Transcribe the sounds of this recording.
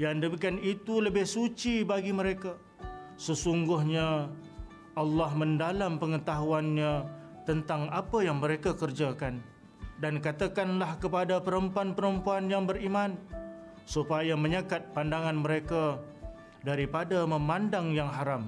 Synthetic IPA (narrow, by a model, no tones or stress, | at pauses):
jandəmikanit̪uləbɪhsut͡ʃibaɡiməɾeka | səsuŋɡʊhɲa | ʔalːɑhmə̃ndalampəŋət̪aɦuanɲat̪ənt̪aŋapajaŋməɾekakərd͡ʒakan | dankat̪akanlahkəpadapəɾəmpuanpəɾəmpuanjaŋbəɾiman | supajaməɲəkat̪̚pandaŋanməɾeka | daɾipadaməmandaŋjaŋɦaɾam